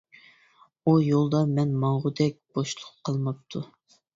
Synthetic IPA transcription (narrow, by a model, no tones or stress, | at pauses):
ujolˠd̪ɑmɛnmɑɴʁʊd̪ɛk̚ʲb̥oʃlˠʊqʰːəlˠmɨp̚t̪ʰu